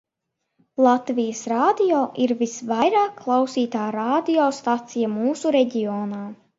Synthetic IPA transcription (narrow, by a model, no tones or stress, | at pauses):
lˠat̪vijəsɾaːd̪ijɔːʔiɾvisvajɾaːkʰːlˠɑwsiːt̪aːɾaːd̪ijɔːst̪at̪sijamuːsuɾɛɟʲiɔːnaː